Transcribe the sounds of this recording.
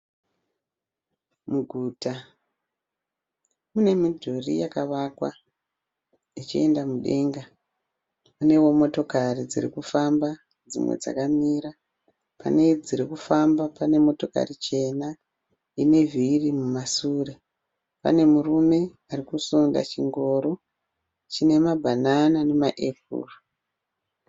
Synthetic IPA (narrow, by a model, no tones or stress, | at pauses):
muɡʱuːta | mune̞midʱorḭjakaʋakwa̰ | it͡ʃie̞ndamuɗe̞ːŋɡa | une̞wo̞mo̞to̞karid͡zḭrḭkufamba | d͡zḭmwḛd͡za̰kamiːɾa | pa̰ne̞d͡ziɾikufambapane̞mo̞to̞ka̰rit͡ʃe̞na | ine̞virimumasure̞ | pa̰ne̞murume̞ | arikusunda̰t͡ʃiŋɡo̞ːɾo | t͡ʃine̞mabʱananane̞maʔe̞p̚ṵːro